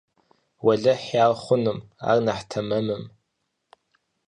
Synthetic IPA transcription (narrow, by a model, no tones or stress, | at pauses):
wɐɮɐħjaːlχʷʊnɨma̰rnaħtʰɐmɐmɨm